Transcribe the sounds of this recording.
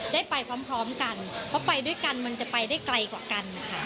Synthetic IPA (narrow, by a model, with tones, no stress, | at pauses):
daː˥˩jpa˧jkʰwaː˧mpʰɾɔː˦˥mka˧npʰɾɔ˦˥pa˧jdu˥˩əjka˧nma˧nt͡ɕa˨˩pa˧jdaː˥˩jkla˧jkwaː˨˩ka˧nːa˦˩kʰa˦˥